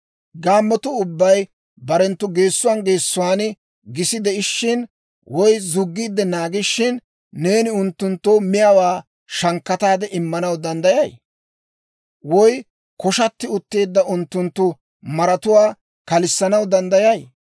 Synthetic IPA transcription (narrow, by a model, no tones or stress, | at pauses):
ɡaːmːɔt̪ʊʊbːɐj | bɐɾɛnt̪ːʊɡe̞ːsːʊwaːnɡe̞ːsːʊwaːnɪ | ɡɪsɪd̪ɛɪʃːɪn | wɔjzʊɡːiːd̪ːɛnaːɡɪʃːɪnː | e̞ːnɪʊnt̪ːʊnt̪ːoːmɪjɐwaː | ʃɐŋkːɐt̪aːd̪ɛʔɪmːɐnɐwd̪ɐnd̪ɐjɐj | wɔj | kɔʃɐt̪ːɪʊt̪ːe̞ːd̪ːɐʔʊnt̪ːʊnt̪ːʊ | mɐɾɐt̪ʊwaː | kɐlɪsːɐnɐwd̪ɐnd̪ɐjɐj